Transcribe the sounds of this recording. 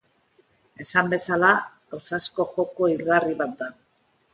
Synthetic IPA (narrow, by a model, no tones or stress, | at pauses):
e̞sambe̞sala | owsasko̞xo̞ko̞ilɣariβat̪̚d̪a